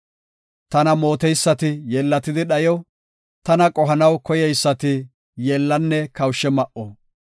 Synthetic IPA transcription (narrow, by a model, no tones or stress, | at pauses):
t̪ɐnɐmo̞ːt̪ɛjsːɐt̪ɪjeːlːɐt̪ɪd̪ɪɗɐjɔ | t̪ɐnɐkʼɔɦɐnɐwkɔjɛjsːɐt̪ɪ | jeːlːɐnːɛkɐwʊʃːɛmɐʔɔ